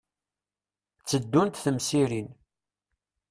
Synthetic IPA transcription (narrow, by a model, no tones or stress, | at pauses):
t͡sːəd̪ːunt̪θəmsiɾin